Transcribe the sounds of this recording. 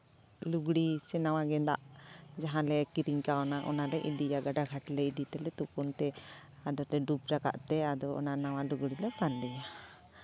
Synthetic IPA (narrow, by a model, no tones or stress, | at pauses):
luɡɽisɛnawaɡɛnd̪a̰ʔd͡ʒaɦãlɛkiɾiŋkaɔnaʔɔ̰nalɛʔidijaɡaɖaɡʱaʈlɛidit̪ɛlɛt̪upunt̪ɛad̪ɔt̪ɛɖup̚ɾaka̰ʔt̪ɛad̪ɔɔ̰nanawaluɡɽilɛpand̪ɛja